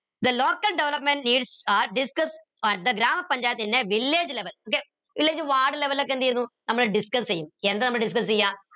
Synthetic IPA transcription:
d̪əloːkəlɖɛʋləpmẽɳʈ̚niːɖsaːɾɖɪskəs | d̪əɡɾaːmpɐ̃ɲd͡ʒaːjət̪inːẽʋɪlːeːd͡ʒleʋəloːke | ʋɪlːeːd͡ʒʋaːɾɖleʋəlːɐk̬ːẽnd̪ied̪ũːt̪ɐmːleɖɪskɐsijumeːɐnd̪ɐnɐmːleɖɪs̬kɐsijaː

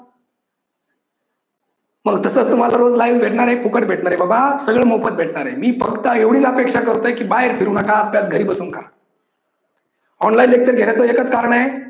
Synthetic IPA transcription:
məɡt̪əsəːt͡st̪um̤alaɾod͡zlajʋːeʈɳaɾepukəʈ̚bʱeʈɳaɾebabasəɡɭəːmowpət̪̚bʱeʈɳaɾemiːfəkt̪əeʋɽ̤iːt͡səpekʂakəɾt̪əekiːbaɦeɾfʰiɾuːnakaːpjat͡sɡʱəɾiːbəsuːnka | ɔnlainlek̚t͡ɕəɾɡʱeɳjat͡səekət͡skaɾəɳaɦe

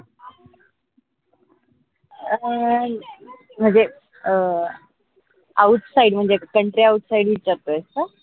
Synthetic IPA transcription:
m̤əɳd͡ze | auʈsaiɽm̤əɳd͡zekəɳʈɾiauʈ̪saiɽʋit͡ɕaɾt̪oəst̪a

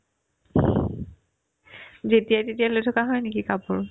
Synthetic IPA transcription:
zetijajtetijalojtʰɔkaɦɔjnekikapʊɹ

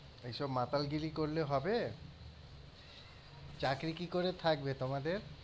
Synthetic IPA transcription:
ejʃɔbmat̪alɡilikoɾleɦɔbe | t͡ɕakɾikikoɾet̪ʰak̚bet̪omad̪eɾ

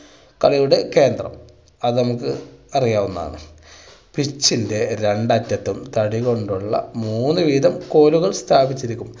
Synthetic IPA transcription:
kɐɭɐjuɽe̞ke̞ːnd̪rɐ̰m | ɐðɨnɐmukːɨɐrijaːʋunːa̰ːɳɨ̰ | pit͡ɕːinde̞ɾe̞ɳɖɐtːɐt̪ːumt̪ɐɽiɣo̞ɳɖuɭːɐ̰muːnːɨʋiːðɐmko̞ːluɣɐɭst̪ʰaːbit͡ɕːiɾikʲːum

